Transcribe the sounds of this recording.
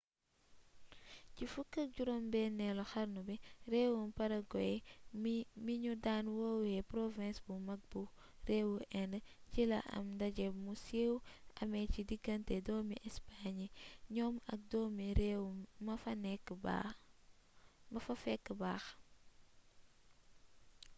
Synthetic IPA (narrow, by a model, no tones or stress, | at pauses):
cifukːɐɟuɾombɛnɛlɔxɐɾnubɛrɛːwumpɐɾɐɡɔjɛ | miɲudanwowɛpɾɔvɛ̃nsbumɐk̚bu | reːwuʔɛnəcilɐ̰ʔɐ̰mdɐɟɛmusewɐ̰mɛcidiɡɐntɛdɔːmiʔɛspaɲiɲɔmɐ̰k̚dɔmiɾwumɐfɐnɛkːba̰ | mɐfɐfɛkːəbaːx